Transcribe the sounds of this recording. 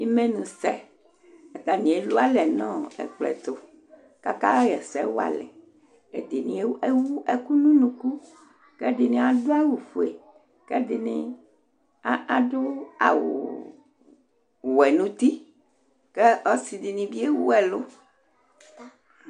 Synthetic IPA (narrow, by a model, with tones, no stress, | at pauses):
i˦mẽ˦nũ˨sɛ˦ | e˨t̪a˨nĩ˨e˨lo˦a˦lɛ˨nɔ̃˦ɛ̰˨k͡plɛ̰˨t̪o˨ | ka˦ka˦jɛ˨sɛ˦wo˦a̰˨lɛ̰˨ | e˨d̪i˨nĩ˨e˦e˦wu˦e˦ku˦nũ˦nũ˦ku˦ | kɛ˦di˨nĩ˦a˨do˦a˦wu˨ɸu˨e˨ | kɛ˦di˨nḭ̃˦ | a˦a˨do˦a̰˨wo̰˨ | wo˨ɛ˨nũ˦t̪i˦ | kɛ˦ɔ˦si˨di˨nĩ˨bi˦e˦wu˦ɛ˨lo˦